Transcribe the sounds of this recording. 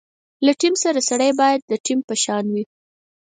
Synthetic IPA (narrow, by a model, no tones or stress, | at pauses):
laʈimsaɾasaɽəjbɑjad̪̚ːəʈimpəʃɑnwi